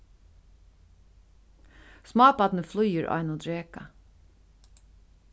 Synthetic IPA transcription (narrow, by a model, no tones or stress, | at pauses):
smɑːbɑd̪nəflʉːəɹʔɑ̰ɪnoːd̪ɹeːkɑ